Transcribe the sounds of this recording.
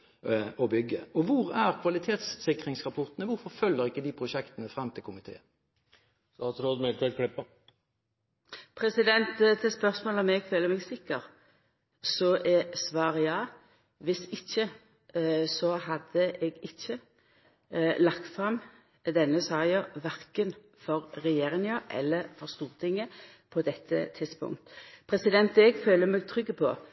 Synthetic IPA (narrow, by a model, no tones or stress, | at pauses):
ɔbʏɡə̰ɔʋʊʁæɾkʰʋɑlɪt̪ʰeːt̪ssɪkɾɪŋsʁɑpʰɔʁt̪ənəʋʊɾfɔʁfœlːəɾɪkːəd̪iːpʰɾʊʃɛkt̪ənəfɾɑmːt̪ʰɪlkʰʊmɪt̪ʰḛːə | st̪ɑːt̪sɾoːd̪mɪlt̪ʰəɾkʰlɪpːə | pʰɾɛsɪd̪ɛnt̪t̪ʰɪspœʁsmoːlɔmɛɡføːləmɛɡsɪkːəɾ | sɔʔɛsʋɑːʁjɑː | ʋɪsɪçːə | sɔɦɑd̪əʔɛɡɪçːə | lɑkt̪fʁɑm | d̪ɛnːəsɑːjɑʋæɾkən | fɔɾɾɛjeːɾɪŋəʔɛ̰lːəfɔʁst̪uːʁt̪ʰɪŋːə | pʰɔd̪ɛt̪ʰːə̰t̪ʰɪd̪spʊ̰ŋt̪pʰɾɛsɪd̪ɛnt̪ɛɡføːləmɛɡt̪ʰɾʏɡːəpʰɔ̰